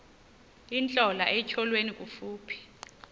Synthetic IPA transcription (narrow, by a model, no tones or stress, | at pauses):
int͡ɬʼɔlaʔɛt͡ʃʰɔlwenikʼufuːpʰi̥